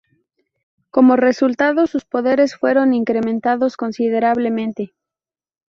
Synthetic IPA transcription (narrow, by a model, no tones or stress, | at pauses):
ko̞mo̞re̞sult̪aðo̞suspo̞ðe̞ɾe̞sfwe̞ɾo̞niŋkɾe̞mẽnt̪aðo̞sko̞nsið̞e̞ɾaβle̞mẽ̞nt̪e̞